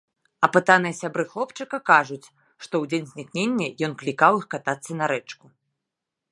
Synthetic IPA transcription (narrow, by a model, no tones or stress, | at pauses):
ɐpɨt̪anɨjɐsʲabɾɨxlˠɔpt͡ʂɨkɐkaʐut͡sʲ | ʂt̪ɔwd͡zʲenʲzʲnʲiknʲenʲːɐjɔnklʲikawixkat̪at̪sːɐnɐɾɛt͡ʂku